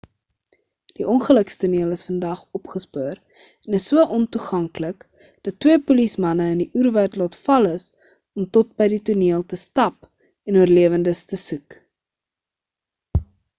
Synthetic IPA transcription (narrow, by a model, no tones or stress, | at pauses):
d̥iʔɔnχələkstuniəlˠəsfəndɐχɔpχəspuəɾ | ɛnəsːuəʔɔntuχɐŋklək | d̥ɐtːwiəpulismɐnəəndiʔyːrværtlɑːtfɐləs | ɔmtɔt̚bɛjdituniəlˠtəstɐp | ɛnuərliəvəndəstəsʉk